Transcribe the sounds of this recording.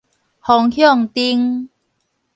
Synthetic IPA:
hɔ˨˩ŋhjɔ˥˨ŋt̪i˧ŋ

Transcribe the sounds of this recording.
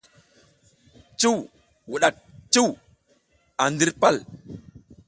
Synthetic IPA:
t͡ʃu˦˨w | wu˨ɗa˨k̚t͡ʃu˦w | a˨ndi˦ɾpa˦˨l

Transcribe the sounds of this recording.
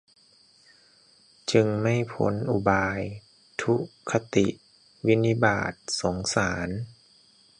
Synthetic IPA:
t͡ɕɯ˧ŋma˥˩jpʰo̰˩˦nʔu˧˩baː˧j | t̪ʰu˦˥kʰːa˧t̪i˨˩ʔ | wi˦˥ni˦˧˥ba̰ː˨˩t̪̚so˩˦ŋsaː˩˦n

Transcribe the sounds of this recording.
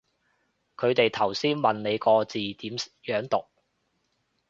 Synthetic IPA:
kʰɵ˨˧ɥt̪e˨jt̪ʰɐ˨˩wsiː˥nmɐ˨nne˨˧jkɔː˧t͡siː˨t̪iː˨˥mjœː˨˥ŋt̪ʊ˨k̚

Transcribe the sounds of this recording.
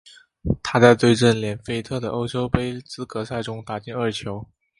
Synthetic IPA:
t̪ʰa˥t͡sa˥˧ɪt̪we˥˧ɪʈ͡ʂə˥˩nljɛ˨˩nfe˥ɪt̪ʰɤ˥˩d̪ə˩ʔo˥ʊt͡ɕʰo˥ʊpe˥ɪt͡sɹ̩˥kɤ˧˥sa˥˩ɪʈ͡ʂʊ˥ŋt̪a˨˩t͡ɕi˥˧ŋə˞˥˩t͡ɕʰjo˧˥ʊ

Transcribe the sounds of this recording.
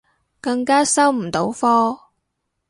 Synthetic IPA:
kɐ˧ŋkaː˥sɐ˥wm̩˨˩t̪o˨˥wfɔː˥

